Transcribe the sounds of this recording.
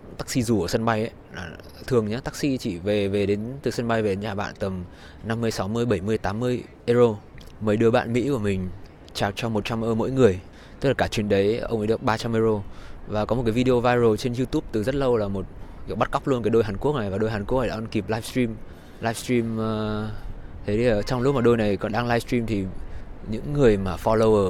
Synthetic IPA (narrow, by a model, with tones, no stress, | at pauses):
t̪a˦˥k̚si˧zu˨˩ʔəː˧˩sə˧nɓa˧jʔə˨˦jlaː˨˩ | t̪ʰɨ˨˩əŋɲaː˨˦t̪aː˦˥k̚sḭ˧˥t͡ɕḭ˧˩ve˨˩ve˨˩ɗe˨˦nt̪ɨ˨˩sə˧nɓa˧jve˨˩ɗe˨˦nɲaː˧˩ɓa̰ː˧˨nt̪ə˨˩m | na˧mːɨ˧əjsa˨˦wmɨ˧əjɓə˧˩jmɨ˧əjt̪aː˨˦mːɨ˧əj | ʔə˧zo˧ | məː˨˦jɗɨ˧əɓa̰ː˧˨nmḭ˧˥ku˧˩əmï˨˩ŋ̟ | t͡ɕaː˨˩k̚t͡ɕɔ˧mo˨˩t̚t͡ɕa˧mʔəː˧mo̰˧˥jŋɨ˨˩əj | t̪ə˦˥k̚laː˨˩kaː˧˩t͡ɕwḭ˨˩ənɗə˨˦jʔə˧wʔa̰ː˨˦jɨ˨˩ək̚ɓaː˧t͡ɕa˧mʔə˧zo˧vaː˨˩kɔ˨˦mo˨˩ka˨˦vi˧e˧o˧vaː˧jzo˨˩t͡ɕe˧nzu˧t̪u˦˥p̚t̪ɨ˨˩zə˦˥t̚lə˧wlaː˨˩mo˨˩t̚kɓa˦˥t̚ka˦˥k͡p̚lu˧ənkaː˨˦jɗo˧jɦaː˨˩nku˦˥k̚na˨˩jvaː˨˩ɗo˧jɦaː˨˩nku˦˥ək̚na˨˩ɗ̰aː˧ə˧ki˨˩p̚laː˧jfstɹi˧m | laː˧˦jfst̪ɹi˧mː˧ | t̪ʰe˨˦i˨˩ə˨˩t͡ɕɔ˧wŋ͡mlʊ˦˥maː˨˩ɗo˧jna˨˩jkɔ˨˦nɗaː˧ŋlaː˧jfst̪ɾi˧mt̪ʰi˨˩ɲɨ̰˧˥ŋːɨ˨˩əjmaː˨˩fɔ˧lo˧wʔəː˧˩